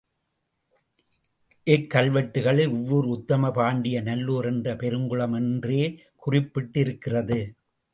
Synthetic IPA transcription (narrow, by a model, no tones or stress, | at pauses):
ʔɪkːɐlʋɐʈːɯɣɐɭɪlʊʋːʊɾɯʊt̪ːɐmɐpaːɳɖɪjɐnɐlːoːɾɛndrɐpɛɾɯŋɡɯɭɐmɛndreː | kʊrɪpːɪʈːɪɾɯkːɪrɐðɯ